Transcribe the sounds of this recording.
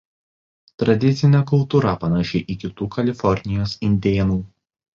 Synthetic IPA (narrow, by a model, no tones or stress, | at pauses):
t̪ɾɐd̪ʲɪt̪sʲɪnʲɛkʊlˠt̪uːɾɐpɐnɐʃʲɪʔɪkʲɪt̪uːkɐlʲɪfɔɾʲnʲɪjoːsɪnʲd̪ʲeːnuː